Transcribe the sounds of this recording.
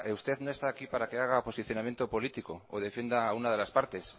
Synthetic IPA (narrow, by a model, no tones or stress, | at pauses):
eust̪e̞ðnoest̪aːkipaɾakeaɣ̞apo̞siθjo̞namje̞nt̪opo̞lit̪ikooð̞e̞fjend̪aunað̞e̞laspaɾt̪e̞s